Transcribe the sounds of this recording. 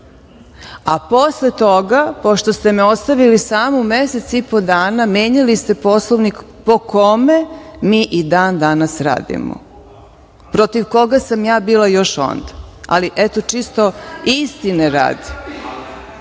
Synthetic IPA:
aposlet̪o̞ɡapoʃt̪o̞st̪e̞meo̞st̪aʋilisaːmomeset̪sipo̞d̪aːnamjeːɲilist̪e̞po̞slˠoʋnik | po̞kome̞miːʔid̪aːnd̪anasɾa̰ːd̪ḭmo̰ | pɾot̪iʋko̞ɡasamjaːbiːlˠajo̞ʃo̰nd̪aa̰liʔet̪ot͡ʃist̪o̞ist̪ineɾa̰ːd̪i̥

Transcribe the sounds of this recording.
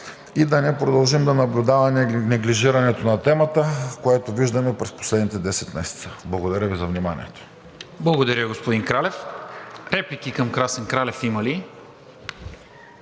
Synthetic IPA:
id̪ɐnɛpɾod̪ɐlˠʒimd̪ɐnɐblʲud̪avɐnɛɡliʒiɾɐnɛt̪onɐt̪ɛmət̪əkoɛt̪oviʒd̪ɐmɛpɾɛspo̥slɛd̪nit̪ɛd̪ɛsɛt̪mɛsɛ̥t̪səblˠɐɡod̪ɐɾʲəvizɐvnimanʲḭɛt̪o̥ | blˠɐɡod̪ɐɾʲəɡospod̪iŋkɾalɛfɾɛplikikəmkɾasɛnkɾalɛfiməli

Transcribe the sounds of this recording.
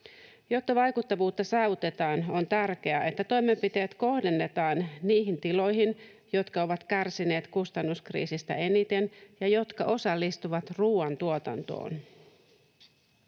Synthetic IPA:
jo̞t̪ːɑʋɑjkut̪ːɑʋuːt̪ːɑsɑːʋut̪e̞t̪ɑːno̞nt̪ærk̟e̞æʔe̞t̪ːæt̪o̞jme̞mpit̪e̞ːt̪ko̞hde̞nːe̞t̪ɑːnniːɦint̪ilo̞jɦin | jo̞t̪kɑo̞ʋɑt̪kærsine̞ːt̪kust̪ɑnːuskrḭːsist̪æ̰ʔe̞nit̪e̞njɑjo̞t̪kɑʔo̞sɑlːist̪uʋɑt̪ruːɑnt̪uot̪ɑ̰nt̪o̞̰ːn

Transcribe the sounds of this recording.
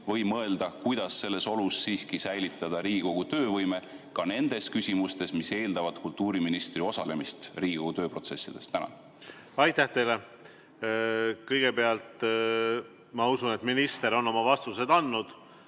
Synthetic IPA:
vɤ̞jmɤe̞ld̪̥ɑkujd̪̥ɑsːe̞lːe̞so̞lusːiːskisæjlit̪ːˑɑd̪̥ɑɾiːɡiko̞ɡ̥ut̪ø̞ːvɤjme̞ | kɑne̞nd̪e̞skysʲimust̪e̞smise̞ːld̪ɑvɑd̪̥kult̪ːˑuːɾiminist̪rio̞sɑle̞mist̪riːɡ̥ikoɡut̪øːpro̞t̪se̞sːid̪̥e̞st̪ːænɑ̰ | ɑjt̪æht̪e̞jle | kɤjɡ̥e̞beɑlt̪ | mɑusunet̪minist̪e̞ɾo̞nːo̞mɑvɑst̪use̞d̪ɑnːud̪̥

